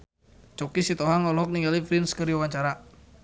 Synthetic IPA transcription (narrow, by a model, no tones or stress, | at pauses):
t͡ʃɔkisit̪ɔɦaŋɔlɔɦɔk̚niŋɡalifɾinskəɾiawaɲt͡ʃaɾa